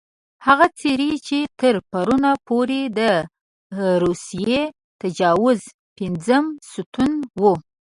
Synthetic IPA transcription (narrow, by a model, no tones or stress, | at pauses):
haɣat͡seɾit͡ʃet̪əɾpaɾunapoɾed̪ə | ɾusije | t̪ad͡ʒɑwʊz | pɪnzəmsut̪unwu